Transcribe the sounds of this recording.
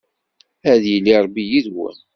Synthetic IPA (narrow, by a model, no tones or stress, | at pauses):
æðjilːiɾˤbijiðwə̰n